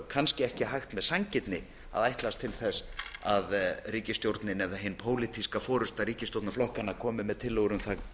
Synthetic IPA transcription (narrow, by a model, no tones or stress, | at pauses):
kʰanscɪɛhcɪɦajxt̪mɛðsaɲcɪt̪nɪ | a̰ðajht̪last̪ʰɪlθɛsaðriːcɪst̪jowɾt̪nɪnɛvðaɦɪnpʰoːwlit̪ʰiskafɔːɾʏst̪aɾiːcɪst̪owt̪naflɔhkanːakʰɔːmɪmɛðt̪ʰɪlːowɾʏmθað